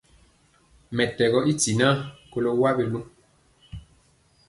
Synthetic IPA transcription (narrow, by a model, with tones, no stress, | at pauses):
mɛ˨tɛ˨ɣɔ˦ʔi˦ti˨na˦ko˦lo˦wa˦be˦lu˦